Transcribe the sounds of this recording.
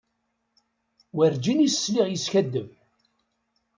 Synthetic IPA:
wæɾd͡ʒinisːliʁjəsçæd̪ːəm

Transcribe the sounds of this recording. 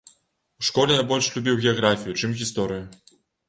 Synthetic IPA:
wʂkɔlʲɛnajbɔlʲʂlʲubʲiwɣʲɛaɣɾafʲijut͡ʂɨmɣʲist̪ɔɾɨju

